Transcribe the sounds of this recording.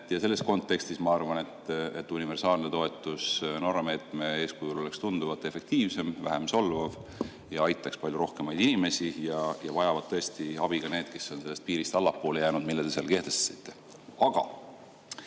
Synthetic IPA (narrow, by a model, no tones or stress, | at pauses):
jɑse̞lːe̞sko̞nt̪ːˑe̞kst̪ismɑɑrvɑne̞t̪ḛt̪ːunive̞rsɑːlnet̪o̞e̞t̪ːˑusno̞rɑme̞ːt̪ˑme̞e̞ːskujulo̞le̞kst̪und̪uvɑt̪ːˑe̞fe̞k̚t̪iːvse̞mvæ̰ɦemso̞lvɑv | jɑɑjt̪ːˑɑkspɑlʲjuɾo̞hke̞mɑjd̪inime̞sijɑjɑvɑjɑvɑd̪̥̚t̪ɤ̞e̞st̪iɑb̥iɡ̥ɑne̞ːd̪̥ke̞sːo̞nselːe̞st̪piːɾist̪ɑlːɑpːo̞ːlejæːnud̪̚milːed̪eseɑ̰lke̞ht̪e̞st̪sit̪ːˑe̞̥ | ɑɡ̥ɑ̰